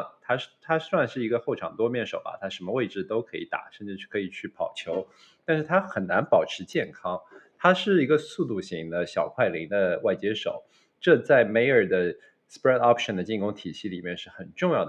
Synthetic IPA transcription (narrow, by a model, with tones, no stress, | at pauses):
t̪ʰa˥ʂ̩˥˩t̪ʰa˥sswa˥˧nʂɻ̩˥˩i˧˥ɡə˧xo˥˩ʊʈ͡ʂʰɑ˨˩ŋt̪wɔ˥mjɛ˥˩nʂo˨˩ʊbɐ̰˦˩t̪ʰa˥ʂə˧˥mə˧we˥˧ɪʈ͡ʂɻ̩˥˩t̪o˥ʊkʰɤ˧˥ḭ˧˥t̪a̰˨˩˦ʂə˥˧nʈ͡ʂɻ̩˥˩˥kʰɤ˧˥i˨˩t͡ɕʰy˥˩pʰɑ˨˩ʊt͡ɕʰjo˧˥ʊ | t̪a˥˧nʂɻ̩˥˩t̪ʰa˥xə˨˩nna˧˥npɑ˨˩ʊʈ͡ʂʰɻ̩˧˥t͡ɕjɛ˥˩nkʰɑ˥ŋt̪ʰa˥ʂɻ̩˥˩i˧˥ɡə˧su˥˧t̪̬u˥˩ɕi˧˥ŋd̪ə˧ɕjɑ˨˩ʊkʰwa˥˩ɪli˧˥ŋd̪ə˧wa˥˩ɪt͡ɕjɛ˥ʂo˨˩ʊ | ʈ͡ʂɤ˥˧t͡sa˥˩ɪme˧˥ɪə˞˨˩d̪ə˦ | spɹɛ˥˩t̪ɑ˥pʰʂə˨˩nd̪ə˩t͡ɕi˥˩ŋkʊ˥ŋt̪ʰi˨˩ɕi˥˩lḭ˨˩mjɛ˥˧nʂɻ̩˥˩xə˨˩nʈ͡ʂʊ˥˧ŋjɑ˥˩ʊd̪